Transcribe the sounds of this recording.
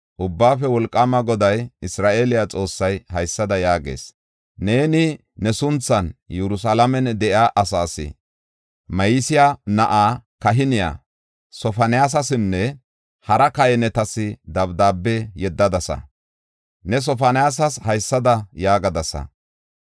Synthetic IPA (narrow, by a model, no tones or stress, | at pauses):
ʔʊbːaːfɛwɔlkʼːaːmɐɡɔd̪ɐjɪsɾaːʔelɪjat͡sʼo̞ːsːɐjhɐjsːɐd̪ɐjaːɡḛːs | ne̞ːnɪ | nɛsʊnt͡sːɐnjɛɾʊs̬alɐmɛnd̪ɛʔjaːʔɐsaːsɪ̰ | mɐjɪsɪjanɐʔaːkɐɦɪnɪja̰ | sɔfɐnɪjaːs̬ɐsɪnːɛ | hɐɾɐkɐjɛnɛt̪ɐsɪd̪ɐbd̪aːbːɛjɛd̪ːɐd̪ɐsɐ̰ | nɛs̬ɔfɐnɪjaːs̬ɐshɐjsːɐd̪ɐjaːɡɐd̪ɐsɐ̰